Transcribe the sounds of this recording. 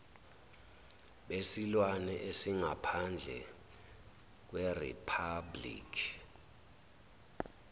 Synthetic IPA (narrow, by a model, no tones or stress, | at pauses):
ɓesilwanɛʔesiŋapʰand͡ɮʱɛ̰ | k̬werḭpʰablḭːkʰi